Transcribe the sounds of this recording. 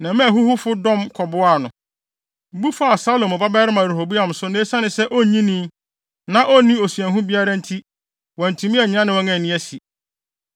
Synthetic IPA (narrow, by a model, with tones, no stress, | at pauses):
nã˨mɛ̃˦æ˨ɦu˦hʊ˦fʊ˦dɔ̃˦mkʰɔ˨bʊ˦a˨nʊ̃˨ | bu˦fʊ˦a˨sa˦lo˨mɔ˨ba˦bɛː˦ɾɪ˦mã˨ɾe˨ho˨bu˦a˨m˨sʊ˦nẽ˦sã˦nɪ̃˨sɛ˦ʔɔ˦ɲĩ˦nĩː˦ | nã˦ʔɔ˦nĩ˦o˨si˨ɛ˨ɦũ˦bi˦a˦ɾa˦n̩˦tʰi˦ | wɔ̃˨n̩˨tʰũ˨˦mĩ˦ɛ˨ɲ˨˦ã˦nɪ̃˦wɔ̃˦ŋɛ̃˨nĩ˦æ˦si˨